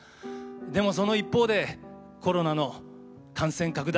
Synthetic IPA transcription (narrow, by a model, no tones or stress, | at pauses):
d̪e̞mo̞s̬o̞no̞ipːo̞ːd̪e̞ | ko̞ɾo̞nano̞ | kãɰ̃sẽ̞ŋkakɯ̟d̪a